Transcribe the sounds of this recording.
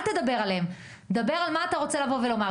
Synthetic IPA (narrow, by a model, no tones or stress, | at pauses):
t̪ed̪abe̞ʁalem | d̪abe̞ʁalmaːt̪aʁo̞t͡selavo̞ve̞lo̞maʁ